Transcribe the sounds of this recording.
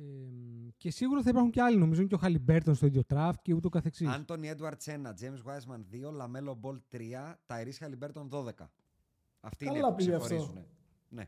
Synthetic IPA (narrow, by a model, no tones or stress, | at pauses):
ece̞siɣuɾɐθɐipɐɾxuɲceɐlino̞mizuɲceoxɐlibe̞ɾt̪onst̪oiðjo̞t̪ɾɐft̪̚ceut̪eokɐθe̞ksiɐnt̪o̞nied̪uɐɾt̪se̞nɐd͡zejmsɣwɐjzmɐnðio̞lɐmelobo̞lt̪ɾiɐt̪ɐeɾisxɐlibe̞ɾt̪onðo̞ðe̞kɐ | ɐft̪iːɐlɐpiɐfoɾoune | ne̞̰